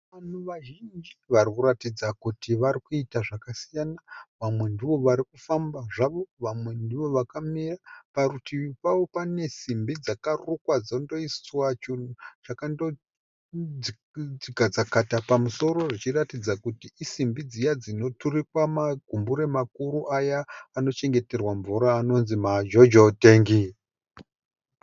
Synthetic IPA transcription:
ʋan̤uʋaʒind͡ʒiʋarikuratid͡zakutiʋaɾikuitaʐakasijanaʋamwe̞ndiʋo̞ʋaɾikufambaʐaʋo̞ʋamwe̞ndiʋo̞ʋakamirapaɾutipawo̞pane̞simbid͡zakarukwad͡zondo̞isswat͡ʃiut͡ʃakando | iɡʱad͡zakatapamuso̞ɾo̞ʐit͡ʃiratid͡zakutiisimbid͡zijad͡zino̞turikwamaɡʱumbuɾe̞makuɾuʔajaːno̞t͡ʃe̞ŋɡe̞te̞rwaɱvuɾaːno̞nzimad͡ʒo̞d͡ʒote̞ːŋɡi

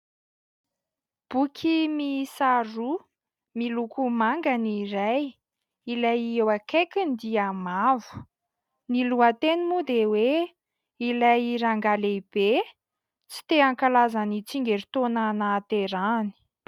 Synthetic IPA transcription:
b̥ukʲʰimisaɾu | milukumaŋɡaniɾaj | ilajiewakekʲind̪iamavu̥ | niluat̪enimud̪ewe | ilajiɾaŋɡaleb̥e | t͡si̥t̪eaŋkalazanit͡siŋɡeɾit̪onanaːt̪eɾani̥

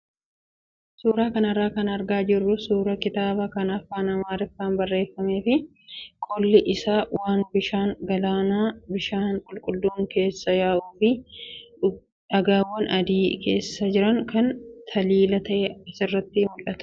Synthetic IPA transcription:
suːɾaːkɐnɐrːaːkɐnɐɾɡaːd͡ʒɪrːʊsuːɾɐkɪt̪aːbɐkɐnɐfːaːnɐmaːɾɛfːaːnbɐrːe̞ːfːɐme̞ːfɪ | kʼɔlːɪʔɪsaːwaːnbɪʃaːŋɡɐlaːnaːbɪʃaːnkʼʊlkʼʊld̪uːŋke̞ːsːɐjaːʔuːfɪ | ɐɡaːwːɐnɐd̪iːkʰe̞̰ːsːɐd͡ʒɪɾɐŋkɐnt̪ʰɐliːlɐt̪ɐʔeɪsɪrːɐt̪ːɪmʊlɐt̪ɐ̥

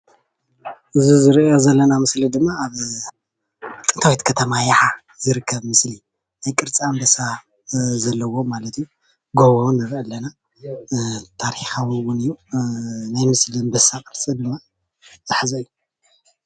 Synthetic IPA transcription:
ʔɨzizɨɾjo̞zɐlːɐnamɨslid̪ɨmːaːβ | t̪ʼɨnt̪awit̪kʰɐt̪ʰɐmajaħa | zɨɾɨkʰːɐβmɨsli | najkʼɨɾt͡sʼiambɐsa | zɐlːɐwo̞malɐt̪ʰɨjːu | ɡoβonɨɾʔalːɐna | t̪ʰaɾħixawiwʊnɨjːu | najmɨslimbɐsakʼɨɾt͡sʼid̪ɨmːa | z̥ɨħzɐɨjːu

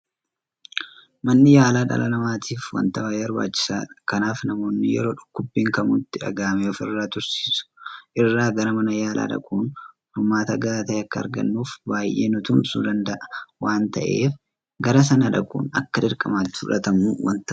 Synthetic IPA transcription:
mɐnːɪjaːlaːᶑɐ̰lɐlɐmaːt̪ʰiːfwɐ̰nt̪ɐwajɐɾwa̰ːt͡ʃːɪ̥saːɐkɐnaːfnɐmo̞ːnːɪjɛ̰ɾo̞ːᶑʊ̥kːʊbːiːŋkɐmuːt̪ːɪᶑɐ̰ɡaːmeɔfɪrːaːt̪ʊɾsi̥ːsʊ̥ʔɪrːaːɡɐɾɐmɐnɐjaːlʔa̰ːᶑɐ̰kʼuːn | hʊmaːt̪ɐɡɐaːt̪ɐʔɐkːɐ̰ːɾɡɐ̰nːuːfbaːjʔḛːnʊt̪ʊmsṵːd̪ɐnd̪ɐʔɐ̥waːnt̪ɐʔe̞̰ːf | ɡɐɾɐs̬ɐnɐᶑɐkʼṵːnɐkːɐᶑɪɾkʼɐmaːt̪ːɪ̥fʊᶑɐ̰t̪ɐmuwɐ̰nt̪ɐ

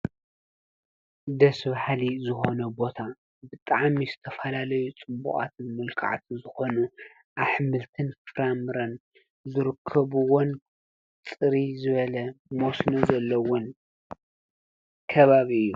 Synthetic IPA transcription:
d̪ɐsɨβħalizɨxo̞nɐbo̞t̪ʰa | bɨt̪ʼaʕmizɨt̪ʰɐfɐlalɐjut͡sʼɨbṵχʼa̰t̪ʰɨnmɨlkʰa̰ʕt̪ʰzɨxo̞nu | ʔaħmɨlt̪ʰɨnffɾamɨɾɐn | zɨɾɨkʰːɐβuwon | t͡sʼɨɾizɨβɐlɐmosnozɐlːɐwon | kʰɐβaβiɨjːu

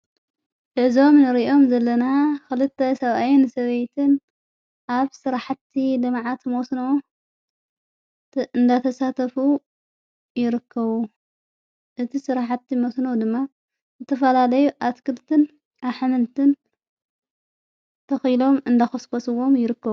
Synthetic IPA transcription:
ʔɨʕzo̞mnɨɾʔo̞mzɐlːɐnaxɨlɨt̪ʰːɐsɐβʔajɪnsɐβejt̪ʰɨn | ʔaβsɨɾaħt̪ʰːilɨmʕat̪mosno | ɨnd̪at̪ʰɐsat̪ʰɐfu | jɪɾɨkʰːɐβu | ʔɨt̪ʰisɨɾaħat̪ʰːimosnod̪ɨmːa | zɨt̪ʰɐfɐlalɐjuʔat̪kʰɨlt̪ʰɨn | ʔaβħamɨnt̪ʰɨn | t̪ʰɐxjlo̞mɨnd̪axɐskosɨwo̞mjɪɾɨkːɐβu

